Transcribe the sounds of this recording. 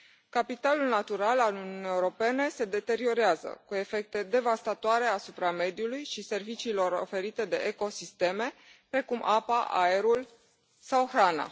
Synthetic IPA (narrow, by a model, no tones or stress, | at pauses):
kapit̪alulnat̪uɾalalununijewɾo̞pe̞ne̞se̞d̪e̞t̪e̞ɾio̞ɾeazə̰kue̞fe̞k̚t̪e̞d̪e̞vast̪at̪oaɾe̞asupɾame̞d̪ijulujʃise̞rvit͡ʃiːlo̞ɾo̞̰fe̞ɾit̪e̞d̪e̞ʔeko̞sist̪e̞me̞pɾe̞kumʔapaʔa̰e̞ɾul | sawxɾana̰